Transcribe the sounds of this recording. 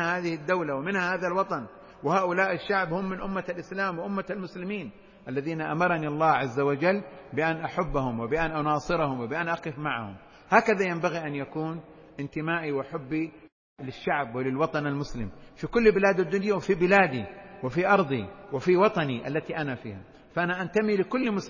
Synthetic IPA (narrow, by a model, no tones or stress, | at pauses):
ahaːðɪhɪd̪ːawlawɪmɪnhahaːðalwɑt̪ˤɑn | wɪhaːʔʊlaːʔɪʃːaʕbhʊmːɪnʔʊmːalʔɪslaːmwɪʔʊmːaalmʊslɪmiːn | ʔalːaðiːnaʔamɑɾˤɑniɑlˤːɑːhʕazːawad͡ʒalːbɪʔanʔaħabːahʊmwɪbɪʔanʔɑnɑːsˤɨɾɑhʊmwɪbɪʔanʔɑqɪfmaʕahʊ̰m | haːkaðajambaɣiʔanjakuːn | ʔɪnt̪ɪmaːʔiwʔaħabːi | lɪʃːaʕbwɪlɪlwɑt̪ˤɑnalmʊslɪmfikʊlːbɪlaːd̪ad̪ːʊnjawɪfibɪlaːd̪iwɪfiʔɑɾˤd̪ˤiwɪfiwɑt̪ˤɑniʔa̰lːat̪iʔanafḭːha̰ | faʔanaʔant̪amilɪkʊlːmʊs